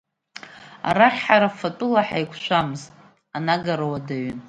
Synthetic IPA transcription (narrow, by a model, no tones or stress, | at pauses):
a̰ɾaχʲħaɾafatʼɨlaħajkʷʰʃʷamɨztʼ | anaɡaɾawadaɥyn